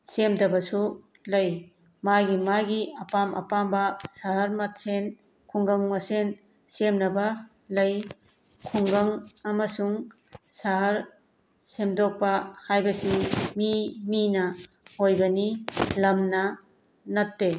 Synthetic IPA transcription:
semdɐbɐsu | lɐj | maɡimaɡiɐpamʔɐ̰pambɐsaɦɐɾmɐtʰɾen | kʰuŋɡɐŋmɐsen | semnɐbɐ | lɐj | kʰuŋɡɐŋɐmɐsuŋ | saɦɐɾ | semdɔk̚pɐhajbɐsimiminɐ | hojbɐnilɐmnɐ | nɐtːe

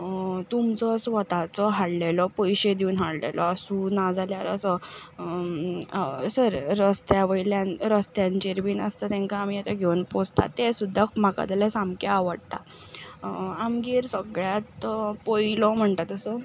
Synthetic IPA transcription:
t̪umt͡sɔsʋət̪at͡sɔɦaɽlelɔpɔjɕed̪iuːnɦaɽlḛlɔəsũnad͡zaljaɾə̰sɔ | səɾːəst̪jaʋəjljãnɾəst̪jãɲt͡ɕeɾʋiːnə̰st̪at̪ɛ̃ŋkaamijat͡ɕ̪aɡʱeunpost̪ʰa̰t̪esud̪ʱːakm̤aka̰t̪əlasamkaːʋəɽt̪a̰ | amɡiːɾsəɡɭjat̪pojlɔm̤əɳt̪at̪əsɔ

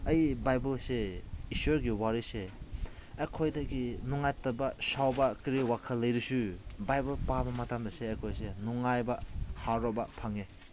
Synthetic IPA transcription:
ɐjbajbɐlseisueɾɡiwaɾiseː | kʰojdɐɡinuŋajtɐbasawbɐkɾiwakʰalɐjɾisubajbɐlpamɐmɐtamdɐseːkʰojsenuŋajbahaɾɔbapʰaŋe

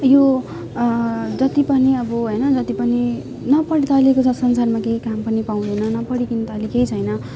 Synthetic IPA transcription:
jo | d͡zʌt̪ipʌniʌbʌɦojnʌd͡zʌt̪ipʌni | nʌpʌɽit̪ʌlekot͡sʰʌsʌnsarmakejkampʌnipaw̃d̪ʌnʌnʌpʌɽikint̪alikejt͡sʰʌjnʌ

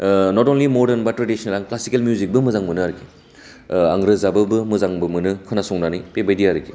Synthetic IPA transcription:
nɔtɔnlimɔɾdenbatːɾadisnelaŋklasikelmijuzik̚bɯmɯzaŋmɯnɯaɾki | a̰ŋɾɯzabɯbɯmɯzaŋbɯmɯnɯkʰɯnasɔŋnanɯjpebajdiaɾɯki

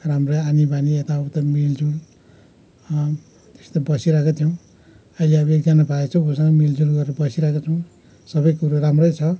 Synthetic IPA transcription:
ramrʌjanibaniet̪aʌbʌt̪ʌmild͡zul | t̪e̥st̪abʌsiɾakot̪ʰijʌw̃ | ʌileʌbekd͡zʌnabʱaet͡sʰʌw̃osʌŋɡʌmild͡zulɡʌɾeɾʌbʌsiɾakot͡sʰʌw̃ | sʌbʌjkuɾaramrʌjt͡sʰʌ

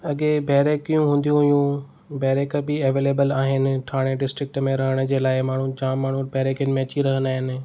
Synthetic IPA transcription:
ɐɠebɛːɾekijũɦũːn̆d̪ijũɦʊjũ | bɛːɾeːkəbɪeʋeːleːbəlaːɦɪnɪ̆ʈ̪ʰaːɽ̃eɖɪsʈɾɪk̚ʈmẽɾɐɦəɽ̃ə̆d͡ʑeːlaːɪmaːɳ̤ũd͡ʑãːaːɳ̤ũbɛːɾekjənɪmẽɐt͡ɕiɾɐɦənd̪aːɦɪnɪ̆

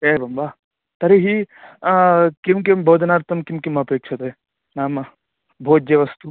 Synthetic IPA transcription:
ebɐmba | t̪ɐɾiɦi | kimkimbod̪naɾt̪ɐmkimkimɐpeːk̚t͡ʃʰɐt̪oe | naːmɐ | bʱoːt̪̚d͡ʒeʋɐst̪u

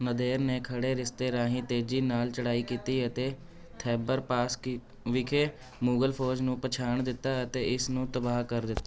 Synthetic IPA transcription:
nəd̪eːɾneːkʰəɽeːɾɪst̪eːɾãːɦĩːt̪eːd͡ʒiːnaːlt͡ʃəɽaːiːkiːt̪iːət̪eː | t̪ʰɛːbəɾpaːs | ʋɪkʰeː | muːɡəlpʰoːd͡ʒnũːpət͡ʃʰaːɳd̪ɪt̪ːaːət̪eːɪsnũːt̪əbaːɦkəɾd̪ɪt̪ːa

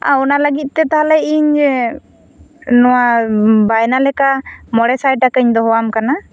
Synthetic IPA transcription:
ãɔnaləɡit̪̚ˀt̪ɛt̪aɦalɛiɲ | nɔwabajnalɛkamɔɽɛsajakəɲd̪ɔɦɔwamkana

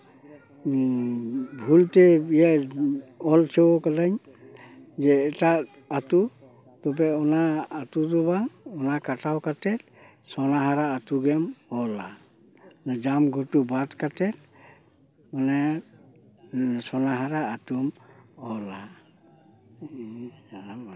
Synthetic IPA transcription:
bʱult̪ɛija | ɔltʰɛwɔkalaɲ | d͡ʒɛːʈaʔ | at̪u | t̪ɔbɛɔnaːt̪ut̪ɔbaɔnakaʈawkat̪ɛt̪ | sɔnaɦaɾaːt̪uɡɛmɔla̰ | nd͡ʒamɡʱɔʈubat̪kat̪ɛt̪̚ | manɛ | sɔnaɦaɾaːt̪umɔla

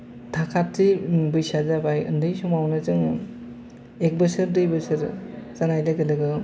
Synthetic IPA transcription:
tʰakʰatːibɯjsazabajɯ̰ndɯjsumawnɯzɯŋ | ek̚bɯsɯɾdɯjbɯsɯɾzanajlaɡɯlɯɡɯ

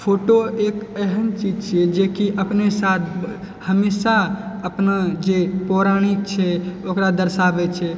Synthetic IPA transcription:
pʰoʈoekeɦənt͡ʃid͡ʒt͡ʃʰɛd͡ʒekiʔəpnesat̪ʰ | həmesaəpnad͡ʒepɔɾaɽ̃ik̚t͡ʃʰɛokɾad̪əɾsabɛt͡ʃʰɛ

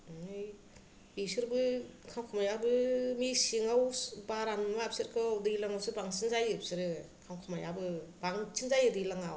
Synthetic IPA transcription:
ɯj | bisɯɾbɯkʰawkʰɯmajabɯmisiŋawbaɾanmap̚sɯɾkʰɯwdɯilaŋawsɯbaŋsinzajɯp̚sɯɾɯ | kʰamkʰamajabɯbaŋsinzajɯdɯilaŋaw

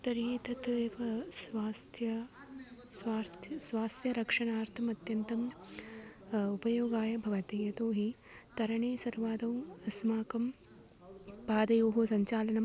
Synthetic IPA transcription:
t̪ɐɾiːt̪ɐt̪eʋɐsʋaːst̪ʰjɐ | sʋaːɾt̪ʰjɐsʋaːst̪ʰjɐɾɐkʂɐɳaːɾt̪ʰɐmɐt̪jɐnt̪ɐm | upɐjoːɡaːjɐbʱɐʋɐt̪ijɐt̪oːɦi | t̪ɐɾɐɳeːsɐɾʋaːd̪ɐwɐsmaːkɐm | paːd̪ɐjoːɦusɐɲt͡ʃaːlɐnɐm

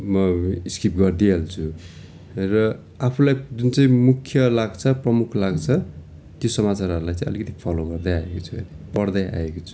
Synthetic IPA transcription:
mʌiskrip̚ɡʌrd̪ialt͡sʰu | rʌ | apʰulajd͡zunt͡saĩmukʰjʌlaɡt͡sʰʌprʌmukʰlaɡt͡sʰʌ | t̪josʌmat͡saɾʌɾulajt͡sãĩj̃ʌ̰likʌt̪i̥pʰʌloɡʌrd̪ajaekot͡sʰuɦʌ̰nepʌrd̪aja̰ekot͡sʰu̥

